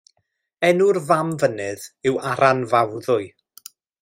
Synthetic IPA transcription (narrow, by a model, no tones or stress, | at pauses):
ɛnʊrvamvənɨðɪwaɾanvawðʊɨ